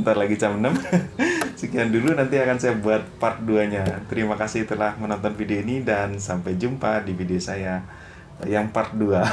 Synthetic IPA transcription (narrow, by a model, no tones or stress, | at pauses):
t̪arlaɡit͡ʃamənəm | səkiandulunant̪iakansajabuat̪̚pat̪̚duaɲat̪əɾimakasɪht̪ulahmənɔnt̪ɔnfideoinidansampajd͡ʒumpadifideosaja | jaŋpart̪̚dua